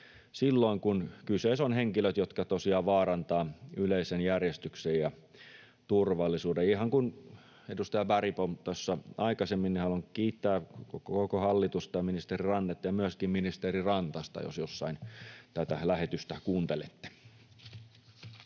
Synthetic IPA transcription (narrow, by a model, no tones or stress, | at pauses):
silːoiŋkunkysesonheŋkiløt̪jot̪kɑt̪osiɑːʋɑːrɑnt̪ɑːyleisenjærjest̪yksejɑ | t̪urʋɑlːisuːdeihɑŋkun | edust̪ɑjɑbæripont̪osːɑʔɑikɑsemːinːnihɑlonkiːt̪ːæːkokkokohɑlːit̪ust̪ɑjɑminist̪erirɑnːet̪jɑmyøskimminist̪erirɑnt̪ɑst̪ɑ̰jo̰sjosːɑint̪æt̪ælæhet̪yst̪ækuːnt̪elet̪ːe̥